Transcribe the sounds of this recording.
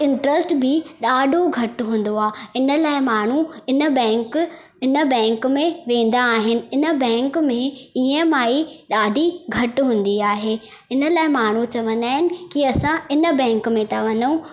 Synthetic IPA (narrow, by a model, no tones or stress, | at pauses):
ɪ̃ɳʈɾəsʈbʱɪɗaːɖʱoɡʱɐʈɦũːn̆d̪oaːɪnə̆laːɪmaːɳ̤uɪnə̆bɛ̃ːŋk | ɪnə̆bɛ̃ːŋkmẽʋẽːn̆d̪aːɦɪnɪ̆ɪnə̆bɛ̃ːŋkmẽiə̃maːiɗaːɖʱiɡʱɐʈɦũːn̆d̪iaːɦeːɪnə̆laːɪmaːɳ̤ut͡ɕɐʋə̃nd̪aːɦɪnɪ̆kiɐsãɪnə̆bɛ̃ːŋkmẽt̪aʋɐ̃nd̪ũ